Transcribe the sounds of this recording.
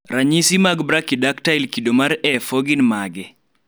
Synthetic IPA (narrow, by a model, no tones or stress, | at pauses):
ɾaɲisimaɡbɾakidaktailkidomaɾɛfoɡinmaɡɛ